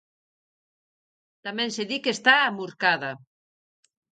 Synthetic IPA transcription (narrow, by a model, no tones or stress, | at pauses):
t̪amɛ̃nseðikest̪aːmuɾkaða